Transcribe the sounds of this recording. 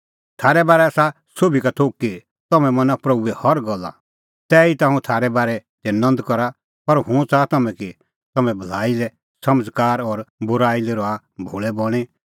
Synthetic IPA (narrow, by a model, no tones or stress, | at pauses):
t̪ʰaːɾɛbaːɾɛasa | sobʱikat̪ʰoːkːi | t̪ɐmɛ̃mɐ̃napɾɐbuɛhɐɾɡɔlːa̰ | t̪ɛːit̪ãːũt̪ʰaːɾɛbaːɾɛt̪ɛnɐ̃nd̪kɔɾa | pɐɾɦũt͡saːt̪ɐmɛ̃ki | t̪ɐmɛ̃bʱɐlaːilɛ | sɐmd͡zkaːɾɔːɾbʊɾaːileɾɔa | bʱoːɭɛbɔɽ̃e